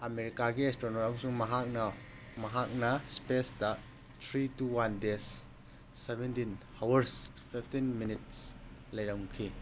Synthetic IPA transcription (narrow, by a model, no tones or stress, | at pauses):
ɐmeɾikaɡiestɾonɔɾamsuŋmɐɦak̚na | mɐɦak̚nɐspesda | t̪ʰɾituwandesː | ebɛntinhawɐɾs | fʰiftinminit̚slɐjɾamkʰi